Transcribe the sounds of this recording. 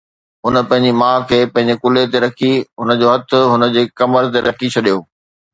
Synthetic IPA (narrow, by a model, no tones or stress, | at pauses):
ɦʊnə̆pɐ̃ɦɪ̃ɲd͡ʑimãːkʰeːpɐ̃ɦɪ̃ɲd͡ʑekʊlet̪eɾɐkʰiɦʊnə̆d͡ʑoːɦɐt̪ʰʊ̆ɦʊnə̆d͡ʑeːkɐməɾt̪eɾɐkʰit͡ɕʰɐɗijoː